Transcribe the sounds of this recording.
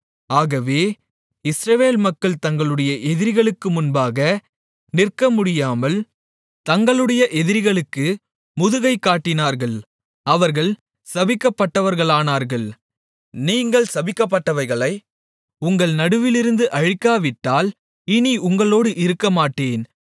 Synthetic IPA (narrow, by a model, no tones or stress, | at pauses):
aːɣɐʋeː | ɪsɾɐʋeːlmɐkːɐɭt̪ɐŋɡɐɭɯɽɐjɐʔɛðɪɾɣɐɭɯkːɯmʊnbaːɣɐ | nɪrkːɐmʊɽɪjaːmɐl | t̪ɐŋɡɐɭɯɽɐjɐʔɛðɪɾɣɐɭɯkːɯ | mʊðɯɣɐɪkːaːʈːɪnaːɾɣɐɭ | ɐʋɐɾɣɐɭ | sɐbɪkːɐpːɐʈːɐʋɐɾɣɐɭaːnaːɾɣɐɭ | niːŋɡɐɭsɐbɪkːɐp̬ːɐʈːɐʋɐɪɣɐɭɐɪ | ʊŋɡɐɭnɐɽɯʋɪlɪɾɯnd̪ɯʔɐɻɪkːaːʋɪʈːaːl | ɪniʔʊŋɡɐɭoːɽɯʔɪɾɯkːɐmaːʈːeːn